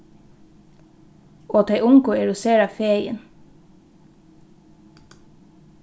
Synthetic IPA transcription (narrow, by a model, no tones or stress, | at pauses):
oːt̪ʰeɪʔʊŋkʊeːɾoːseːɾɑfeːjə̰n